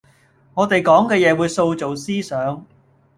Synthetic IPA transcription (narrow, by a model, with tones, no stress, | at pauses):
ŋɔː˨˧t̪e˨jkɔː˨˥ŋkɛː˧jɛː˨˧wuː˨˧jso˧wt͡so˨wsiː˥sœː˨˥ŋ